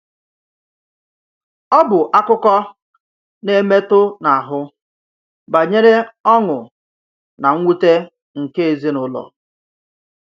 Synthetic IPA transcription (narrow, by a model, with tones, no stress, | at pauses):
ɔ˦bʊ˨ʔa˦kʊ˦kɔ˦ | ne˦me˦tʊ˦na˨a˨ɦʊ˦ | ba˨ɲe˦ɾe˦ɔ˦ŋʊ˨ | na˨ŋ̩ʷ˦u˦te˦ | ŋ̩˨ke˦e˨zi˦nʊ˦lɔ̰˨